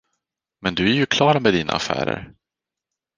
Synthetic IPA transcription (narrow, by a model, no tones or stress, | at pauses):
mɛnd̪ɵæɾjɵkʰlɑːɾamɛd̪iːnaafæ̰ːɾə̰ɾ